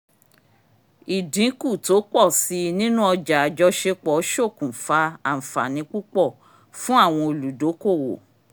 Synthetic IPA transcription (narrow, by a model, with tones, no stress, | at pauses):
i˨dĩ˨˦ku˦˨to˨˦k͡pɔ˦˨si˧˦nĩ˦nũ˦ɔ˧d͡ʒa˨a˨d͡ʒɔ˧˦ʃe˧k͡pɔ˨˦ʃo˦˨kũ˨fa˧˦a˨m̩˨fa̰˨nĩ˧˦k͡pu˦k͡pɔ˦˨ | fũ˦a˦˨w̃ɔ̃˧o˨lu˨do˨˦ko˦˨wo̰˨